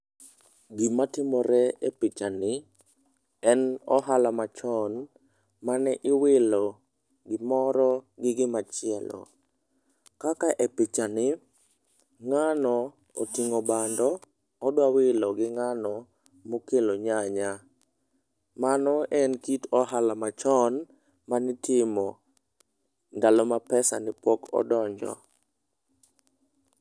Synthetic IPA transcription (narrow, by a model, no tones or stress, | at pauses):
ɡɪmatɪmɔɾɛepɪt͡ʃanɪ | ɛnɔ̰ɦalamat͡ʃɔn | manɛʔɪwɪlɔ | ɡɪmɔɾɔɡɪɡɪmat͡ʃɪɛlɔ̰ | kakaʔepɪt͡ʃanɪ | ŋanɔ | otiŋobandɔː | dwawɪlɔɡɪŋanɔ | mokeloɲaɲa | manɔʔɛnkitɔɦalamat͡ʃɔn | manɪtɪmɔ | ndalomapɛsa̰nɪpɔkɔ̰dɔɲd͡ʒɔ̰